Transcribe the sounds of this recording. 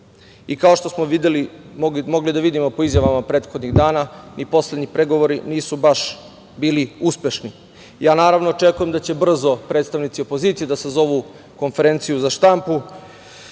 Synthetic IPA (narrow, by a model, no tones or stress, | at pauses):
ikaoʃt̪o̞smoʋid̪elimoɡimo̞ɡlid̪aʋid̪imo̞po̞izjaʋamapɾeːt̪xod̪ɲiɣd̪aːnanipo̞sled̪ɲipɾeɡo̞ʋo̞ɾiniːsubaʃ | biːliuspʲe̞ʃni | jaːnaːɾaʋnot͡ʃe̞kuje̞md̪at͡ɕe̞br̩zo̞pɾet̪st̪aʋnit̪sio̞po̞ziːt̪sijed̪asazo̞ʋu | ko̞nfe̞ɾeːnt̪sijuzaʃt̪ampu